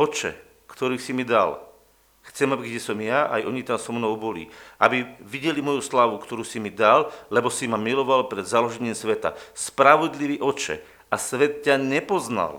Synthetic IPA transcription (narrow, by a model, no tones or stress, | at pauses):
ɔt͡ʃɛ̰ | kt̪ɔɾiːsimid̪al | xt͡sɛmabiɡɟɛsɔmjaa̰jʔɔɲit̪amsɔmnɔʊbɔlḭʔabiʋiɟɛlimɔjuslaːʋukt̪ɔɾuːsimid̪allɛbɔsimamilɔʋalpɾɛd̪zalɔʒɛɲɪimsʋɛt̪a̰spɾaʋɔd̪liʋiːʔɔt͡ʃɛ̰ | asʋɛt̪caɲɛpɔzna̰l